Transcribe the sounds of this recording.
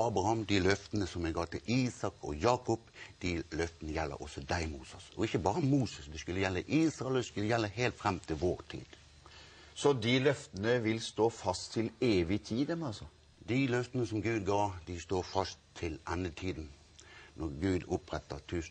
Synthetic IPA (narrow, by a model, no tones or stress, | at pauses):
ɑːbɾɑhɑmd̪ɪlœft̪ənəsɔmɛɡɑːt̪ɪliːsɑkɔ̰jɑːkɔpd̪̥ɪlœft̪ənəjɛlːə̰ɾʔɔsɔd̪æɪmuːsəsɔɪçəbɑːɾəmuːsəsd̪ɛskʉlːəjɛlːəʔiːsʁɑlskʉlːəjɛlːəɦeːlt̪fɾɛmt̪ʰɪlʋoːʁt̪ʰḭːd̪̥ | sɔd̪ilœft̪ənəʋɪlst̪oːfɑst̪ʰːɪleːʋɪt̪ʰiːd̪əmɑsɔ | d̪ilœft̪ənəsɔmɡʉːd̪ɡɑːd̪ɪst̪oːfɑst̪ʰːɪlɛnːət̪ʰiːd̪ən̩ | nɔɾɡʉːd̪ʊpɾɛt̪ːət̪ʰʉːs